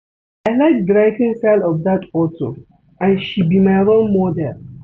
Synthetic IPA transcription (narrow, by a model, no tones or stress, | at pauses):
aɪlaɪk̚dɹaɪvĩnsaɪlɔfdatɔto̰ | ãnʃibimaɪɹõnmɔdɛl